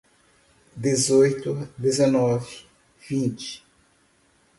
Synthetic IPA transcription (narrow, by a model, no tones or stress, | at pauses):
d̪ezojt̪ʊd̪ezɐnɔvɪ | vĩnt͡ʃɪ̥